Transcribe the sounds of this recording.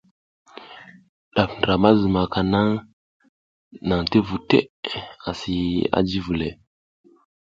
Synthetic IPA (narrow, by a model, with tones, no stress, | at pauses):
ɗa˨fnɾa˨ma˦zə˨ma˨ka˨na˦ŋ | na˨ŋte˦vu˨tḛ˦a˨si˨a̰˦d͡ʒi˦vu˨le˨